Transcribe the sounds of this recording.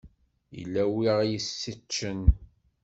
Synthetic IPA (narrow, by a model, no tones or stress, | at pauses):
jə̰lːæwiʁjəsːit͡ʃːən